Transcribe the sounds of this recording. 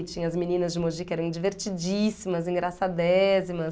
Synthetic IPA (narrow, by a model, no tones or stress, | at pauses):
t͡ʃĩɲɐɐzminĩnɐzd͡ʒɪmoʒikɛɾɐ̃w̃d͡ʒiveɾt͡ʃid͡ʒisimɐzĩɡɾasad̪ɛzimɐs